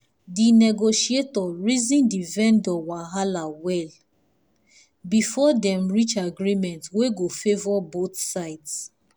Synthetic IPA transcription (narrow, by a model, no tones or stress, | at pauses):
dinɛɡoʃietɔɹizĩndivɛ̃ndɔwaɦalawɛl | bifɔdɛ̃mɹit͡ʃaɡɹimɛ̃ntweɡofevɔboθsaɪds